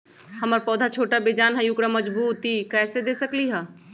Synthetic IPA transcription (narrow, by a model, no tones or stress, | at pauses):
hɐməɾpɔːd̪ʱat͡ʃʰoːʈabeːd͡ʒaːnɦɛjʊkɽaməd͡ʒbuːt̪ikɛːsed̪eːsəkliɦaː